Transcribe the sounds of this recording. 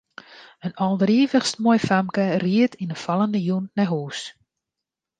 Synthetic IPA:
ənɔlˠdriːvəχstmɔjfamkəriətinəfɑlˠəndəjunnɛɦuːs

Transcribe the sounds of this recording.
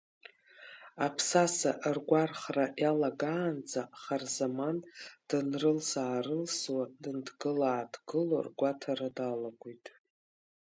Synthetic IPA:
apʰsasaʔrɡʷarχraʔjalaɡaːnd͡zʼaχarzamand̥ɨnrɨlsaːɾɨlswadɨndɡɨlaːdɡɨlo̰rɡʷatʰaɾadalaɡʷujtʼ

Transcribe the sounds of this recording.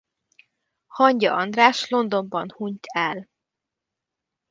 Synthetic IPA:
hɒɲɟɒɒnd̪raːʃlo̞nd̪o̞mbɒnhuɲt̪ʰɛl

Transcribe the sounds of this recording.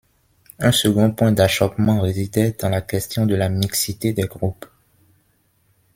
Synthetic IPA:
ɛ̃səɡɔ̃pwɛ̃d̪aʃɔpmɑ̃ʁezid̪ɛd̪ɑ̃lakɛst̪jɔ̃d̪əlamiksit̪ed̪ɛɡʁup

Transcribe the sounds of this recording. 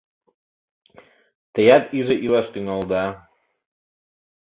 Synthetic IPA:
t̪əjat̪izəʔilast̪yŋɑlˠd̪a

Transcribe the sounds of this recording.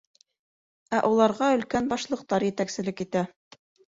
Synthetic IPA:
æʔulˠɑɾʁɑɵ̆lkænbɑʃlˠɤ̆q̚t̪ɑɾjɘ̆t̪æksɘ̆lɘkit̪æ

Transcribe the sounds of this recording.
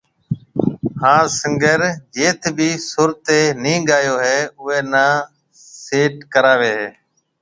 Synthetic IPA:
hãːsəŋɡəɾd͡ʒeːt̪ʰbʱiːsʊɾt̪eːnĩːɡaːjoːɦeːʊeːnãː | seːʈkəɾaːʋeːɦeː

